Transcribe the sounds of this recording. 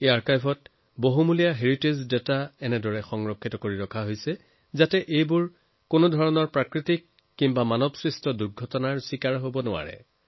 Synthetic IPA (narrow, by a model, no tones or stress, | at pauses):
eaɹkajbʰʱɔt̚ | boɦumulijaɦeɹitezdɛtaɛnɛdɔɹɛxɔŋɹɔkʰːitɔkoɹiɹɔkʰaɦojsɛ | zatɛʔejbʊɹ | konodʱɔɹɔnɔɹpɹakɹitikː | imbamanɔbsɹistʰɔduɹɡʱɔtɔnaɹsikaɹɦobɔnʊwa̰ɹɛ̰